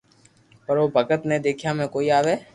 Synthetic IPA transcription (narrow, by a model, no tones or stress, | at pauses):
pɐɾʋoːbʱəɡət̪ned̪eːkʰjamẽkoːiaːʋeː